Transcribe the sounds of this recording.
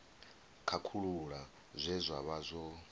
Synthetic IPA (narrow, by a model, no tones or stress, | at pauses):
kʰakʰuɺuɺa | zʷɛzʷaβazʷɔ